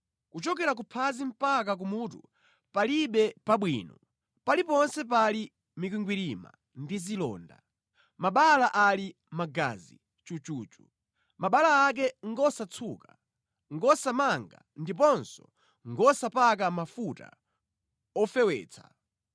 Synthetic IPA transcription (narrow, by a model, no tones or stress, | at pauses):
kut͡ʃɔkɛɾak̬upʰazim̩pak̬ak̬umuːtṵ | paliɓɛpaɓwinɔ | palipɔnsɛpali | mik̬wiŋɡwiɾima̰ | ndizilɔ̰ːnda̰ | maɓalaʔali | maɡa̰zḭ | t͡ʃut͡ʃuːt͡ʃu | maɓalaːk̬ɛŋɡɔsat͡sʰuka | ŋɡɔsamaŋɡa̰ | ndip̬ɔnsɔ̰ | ŋɡɔsapak̬amafuta̰ | ɔfɛwɛ̰ːt͡sʰḁ̰